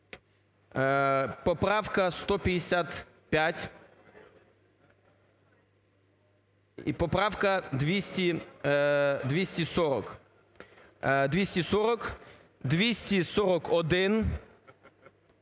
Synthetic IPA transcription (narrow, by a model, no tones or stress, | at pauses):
pɔpɾɑwkɐst̪ɔpʲɐd̪ʲesʲat̪ | pʲjatʲ | ḭpɔpɾɑwkɐd̪ʋʲisʲtʲi | d̪ʲʋʲisʲtʲisɔɾɔk | d̪ʲʋʲisʲtʲisɔɾɔk | d̪ʋʲisʲtʲisɔɾɔkɔd̪ɪn